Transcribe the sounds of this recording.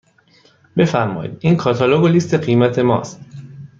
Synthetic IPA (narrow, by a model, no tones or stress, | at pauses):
b̥e̞fæɾmɒ̰ːjḭd̪iːŋkʰɒːt̪ʰɒloɡolist̪ʰe̞ɢiːmæt̪ʰe̞mɒ̰ːst̪